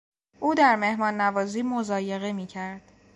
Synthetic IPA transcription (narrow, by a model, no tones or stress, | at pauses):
ʔuːd̪æɾme̞hmɒːnːævɒːziːmozɒːje̞ɣemiːcʰæɾd̪̥